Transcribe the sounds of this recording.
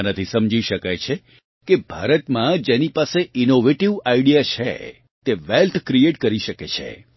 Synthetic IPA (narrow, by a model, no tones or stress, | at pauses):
nət̪ʰisəmd͡ʒiʃəkajt͡ʃʰe | kebʱa̰ɾət̪mãd͡ʒenipaseʔinoʋeʈiʋaiɽijat͡ʃʰḛ | t̪eʋɛlt̪ʰkɾieʈkəɾiʃəket͡ʃʰḛ